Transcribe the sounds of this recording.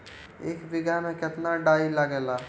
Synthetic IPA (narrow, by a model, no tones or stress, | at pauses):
eːkbɪɡamẽkɪt̪naɖaːilaɡɛːlaː